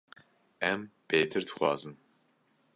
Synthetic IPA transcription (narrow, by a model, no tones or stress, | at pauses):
ɛmb̥eːt̪ʰɨɾd̪ɨ̥xʷɑ̰ːzɨn